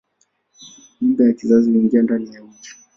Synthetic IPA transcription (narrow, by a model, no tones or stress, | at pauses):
midajakizaziuiŋɡiandanijam̩t͡ʃi̥